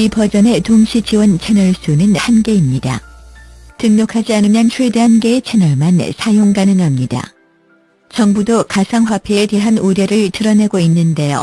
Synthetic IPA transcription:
ipʌd͡ʑʌne̞toŋɕʰit͡ɕiwʌnt͡ɕʰe̞nʌɭs͈unɯnhanɡe̞imɲida̰ | tɯŋɲokʰad͡ʑianɯmjʌnt͡ɕʰuɭdeɦanɡe̞ːt͡ɕʰenʌɭmansʰajoŋɡanɯŋɦamɲida̰ | t͡ɕʌŋbudokasʰaŋɸwapʰeːte̞ɦanuɾjʌɾɯɭtɯɾʌneɡoinːɯnde̞jo̰

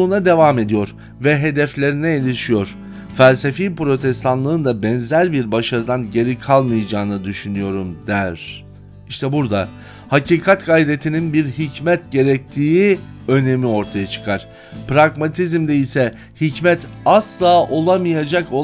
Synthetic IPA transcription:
unad̪e̞vame̞d̪ijo̞ɾ | vɛɦe̞d̪ɛflʲe̞ɾinɛelʲiʃijo̞ɾ̥ | fælʲsefiːpɾo̞t̪ʰɛst̪ʰanlˠɯɯnd̪abɛnzæɾbiɾbaʃaɾɯd̪anɟe̞ɾikʰalˠmɯjad͡ʒaːnɯd̪yʃynyjo̞ɾumd̪̥æɾ̥ | iʃt̪ʰɛbuɾd̪a | haciːkʰat̪ɡajɾe̞t̪ʰininbiɾɦicmɛt̪ɟe̞ɾɛc̚t̪ʰiːi | ø̞ne̞mio̞ɾt̪ʰajat͡ʃʰɯ̥kʰaɾ̥ | pɾaɡmat̪ʰizmd̪ɛisɛ | hicmɛt̪ʰaslˠaːʔo̞lˠamɯjad͡ʒako

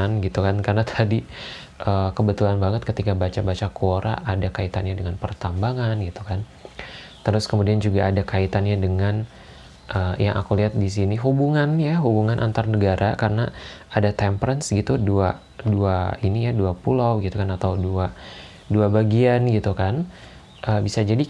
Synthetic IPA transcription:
nɡit̪ukankarnat̪ʰadi | ʔəkəbət̪ulanbaŋət̪̚kət̪ikabat͡ʃabat͡ʃakuoɾʔa̰ʔːdakait̪anɲadəŋanpərt̪ambaŋanɡit̪ukan | t̪əɾʊskəmudiand͡ʒuɡaʔːdakait̪anɲadəŋan | ʔəːjaŋʔa̰kuliɦat̪̚dis̬iniɦubuŋanjaɦubuŋanʔa̰nt̪arnəɡaɾʔakarənaadat̪ɛmpəɾənsɡit̪udua | duainijaduapulawɡit̪ukanat̪awdua | duabaɡianɡit̪ukan | ʔəːbisad͡ʒadi

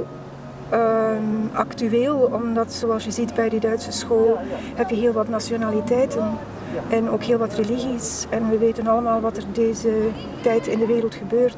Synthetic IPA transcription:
ɑ̰ktyeːlˠɔmdɑtsoɑlˠsjəzidbɛjdədœɥtsəsxoːlhɛpjəɦeːlˠʋɑtnasjonaːlitɛjtən | ɛnoːkɦeːlˠʋɑtreliɣisɛnʋəʋeːtənɑləmaːlˠʋɑtərdeːzə | tɛjtɪndəʋeːɾəlˠtxəbøːrt

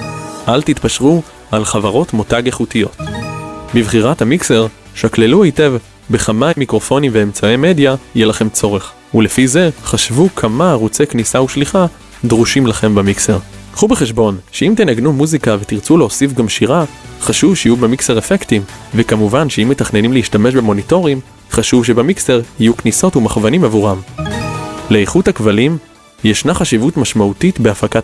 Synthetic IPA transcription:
ʔalt̪it̪paʃʁu | alχavaʁo̞tmo̞taɡeχutijo̞t̪ | bivχiʁathamikse̞ʁ | ʃakle̞luajte̞v | beχamajmikʁo̞fo̞nimveːmt͡saeme̞djajelaχe̞mt͡so̞ʁe̞χ | ule̞fize̞χaʃvukʰamaʁut͡se̞knisauʃliχa | dʁuʃimlaχe̞mbamikse̞ʁχubeχeʃbo̞nʃeimt̪enaɡnumuzikave̞t̪iʁt͡suleosifɡamʃiʁaχaʃuvʃejubemikse̞ʁefektimvekamuvanʃeimːe̞t̪aχne̞nimleiʃtame̞ʃbe̞mo̞nito̞ʁim | χaʃuvʃ̬ebemikse̞ʁijukniso̞tumaχvanimavuʁam | leeχuthakvalim | jeʃnaχaʃivutmaʃmautitbe̞afakat

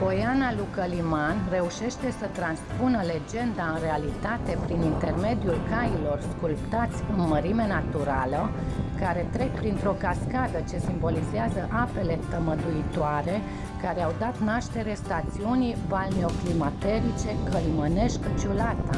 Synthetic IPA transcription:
bo̞janalukəlimanre̞uʃe̞ʃt̪e̞sət̪ɾanspunəle̞d͡ʒe̞nd̪aɨnre̞alit̪at̪e̞pɾinint̪e̞rme̞d̪ijulkailo̞rskulpt̪at̪sʲɨnməɾime̞nat̪uɾalə | kaɾe̞t̪ɾe̞k̚pɾint̪ɾo̞kaskad̪ət͡ʃe̞simbo̞lizeazəʔape̞le̞t̪əməd̪uit̪oaɾe̞ | kaɾeawd̪at̪naʃt̪e̞ɾe̞st̪at̪siunijvalneo̞klimat̪e̞ɾit͡ʃe̞kəliməne̞ʃkət͡ʃulat̪a

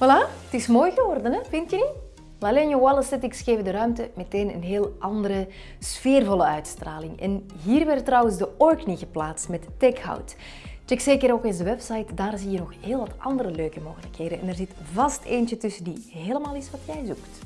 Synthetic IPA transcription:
ʋɑlaətɪsmoːjɣəʋɔrdənɛvɪntjəni | lalɛnjəwɑlˠəsɪtɪksɣeːvədəɾœɥmtəmeteːnə̰nɦeːlˠʔɑndəɾə | sfeːrvɔlˠəœɥtstraːlɪŋɛ̰n | ɦiːrʋɛrtːrɑwənzdəɔɹkniɣəplaːtstmɛtːɛkha̰wt | t͡ʃɛkseːkəɾoːkɪnzəʋɛpsɑjtdaːrzijənɔxheːlˠʋɑtʔɑndəɾəløːkəmoːɣələkheːdəɛnɛrzɪtvɑsteːnt͡ʃətʏsəndiɦeːləmaːlˠisʋɑtjɛjzukt

